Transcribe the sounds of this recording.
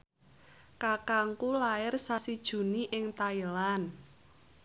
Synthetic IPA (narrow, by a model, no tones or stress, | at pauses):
kakaŋkulaɪrsasid̥ʒ̥ṳniʔɪŋt̪ailan